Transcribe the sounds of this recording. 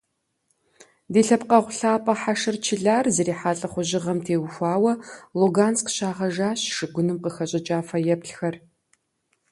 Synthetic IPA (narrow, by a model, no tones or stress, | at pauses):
deːɬɐpqɐʁʷʊɬaːpʼɐħaʂɨrt͡ʃʰɪɮaːrzɐɾiːħaːɬʼɐχʷʊʑɪʁɐmtʰeːwʊxʷɑːwɐluɡaːnskɕaːʁɐʒaːɕʂɨɡʷʊnɨmqəxɐɕʼɪt͡ʃʼaːfɐjɛpɬxɐr